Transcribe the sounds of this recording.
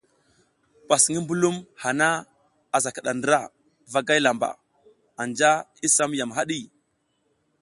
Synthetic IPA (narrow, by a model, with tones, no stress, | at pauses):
pa˨sŋi˦mbu˦lu˦mha˨na˦ | a˨za˨ka˨ɗa˨ndə˦ɾa˦˨ | va˦ɡa˦jla˨mba̰˨ | a˨nd͡ʒa˦i˦sa˦mja˨mɦa˦ɗi˦